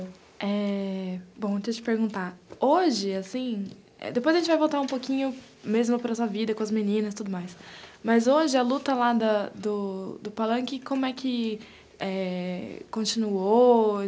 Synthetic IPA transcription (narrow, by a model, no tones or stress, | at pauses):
ɛ | bõw̃t͡ʃ̪iɐt͡ʃɪ̥peɾɡũnt̪aoʒɪasĩ | ɛ̰d̪epojzɐʒẽt͡ʃɪvajvowt̪aɾũpokĩɲʊ | mezmʊpɾɐsuɐvid̪ɐkõɐzminĩnɐsɪ̥t̪ud̪ʊmajsmɐzoʒɪɐlut̪ɐlad̪ɐd̪ʊd̪ʊpalɐ̃kɪkõmʊɛkʰɪ | ɛ | kõt͡ʃĩnuo